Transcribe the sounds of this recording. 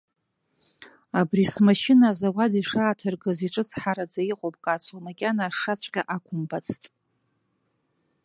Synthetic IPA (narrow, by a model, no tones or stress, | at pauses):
abrismaʃinazawadiʂaːtʰɨrɡɨziʈ͡ʂʼɨt͡sʰħaɾad͡zaiqʼopʼkʼat͡sʰomakʲʼanaːʂat͡sʷʰʼqʲʼaʔakʷʰʊmbat͡sʰtʼ